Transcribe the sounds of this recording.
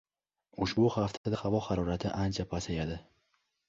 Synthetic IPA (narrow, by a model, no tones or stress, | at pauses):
ʊʃbʊhaft̪ʰad̪ahavɒhaɾɒɾat̪ʰɪʔant͡ʃʰapʰasajad̪ɪ